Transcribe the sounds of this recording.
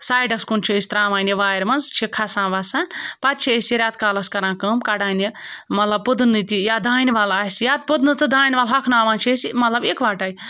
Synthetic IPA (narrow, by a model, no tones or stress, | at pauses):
saːjɖɐskunt͡ʃʰiːsʲt̪ɾãːmaːjniʋaːjɐɾmɐnzt͡ʃʰikʰasãːʋasanpat̪̚t͡ʃʰiesʲiɾʲjaːt̪̚kaːlɐskɐɾãːkɐmkaɽaːnimɐt̪lɐb̚pɨd̪nːɨt̪ijaːd̪ʱaːniʋalaːsʲjaːt̪̚pɨd̪nɨt̪ɨd̪ʱaːjnʲʋaːlɦɐkʰnaːʋaːnt͡ʃʰiesimɐt̪lɐbekʋaːʈaːj